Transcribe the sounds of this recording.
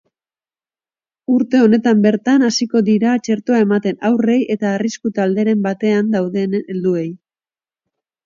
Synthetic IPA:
uɾt̪e̞o̞ne̞t̪ambe̞ɾt̪anasiko̞ðiɾat͡ʃe̞ɾt̪oae̞mat̪e̞nawre̞jʔe̞t̪aːriskut̪ald̪e̞ɾe̞mbat̪e̞and̪awðe̞nld̪ue̞j

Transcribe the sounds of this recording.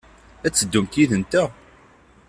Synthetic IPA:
æt͡sːəd̪ːumt̪iðənt̪æ

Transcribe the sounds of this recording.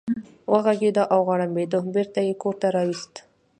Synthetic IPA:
wəɣaɡed̪əʔawɣɑɽambed̪obeɾt̪ajekoɾt̪aɾɑwist̪

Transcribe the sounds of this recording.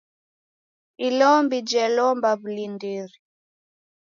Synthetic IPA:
ilɔmbid͡ʒɛlɔmbaβulindiɾi

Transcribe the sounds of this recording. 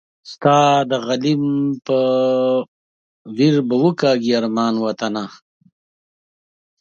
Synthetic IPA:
st̪ɑːd̪əɣalimpə | wiɾbəwəkaːɡiaɾmɑːnwat̪ana

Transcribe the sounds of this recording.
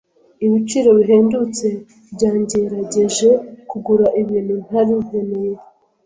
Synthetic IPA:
iβit͡ʃiːɾo̞βiɦeːndut͡se̞ | bɟaːɲɟeɾaɟeʒe̞kuɡuɾaʔiβiːnun̥haɾieneje

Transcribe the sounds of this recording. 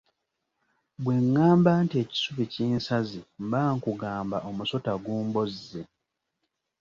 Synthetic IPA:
bwe̞ŋːaːmbaːntie̞ːci̥suβiciːnsazimbaːŋkuɡaːmbaʔo̞muso̞taɡuːmbozːe

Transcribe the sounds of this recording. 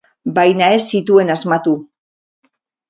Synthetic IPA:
bajnae̞sit̪ue̞nazmat̪u

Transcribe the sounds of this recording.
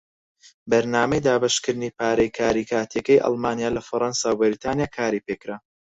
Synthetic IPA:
bɐɾnaːmɛjd̪aːbɐʃkɨɾnipʰaːɾɐjkʰaːɾiːkʰaːt̪ʰjɛkɐjʔɑ̰lˠmaːnijaːlɐfɐɾˤɑnsaːwbɪɾit̪ʰaːnjaːkʰaːɾipeːkɾaː

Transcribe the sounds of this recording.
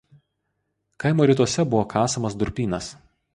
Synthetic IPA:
kɐɪmoːɾʲɪˑt̪̬uɔsʲɛbʊʋoːkʰɑːsɐmɐsd̪ʊɾʲpʲiːnɐs

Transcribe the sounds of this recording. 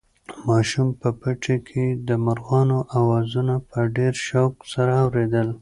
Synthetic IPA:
mɑʃumpəpəʈʰekʰed̪əmaɾɣɑnoʔawɑzunapəɖeɾʃawksaɾaːwɾed̪əl

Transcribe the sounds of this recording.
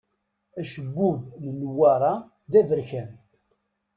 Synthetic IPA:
æʃəɡːʊvnənwːɑɾˤɑ | d̪ævəɾçæn

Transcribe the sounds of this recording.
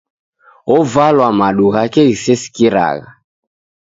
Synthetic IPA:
ɔvalwamaɗuɣakɛɣisɛsi̥kiɾa̰ɣa

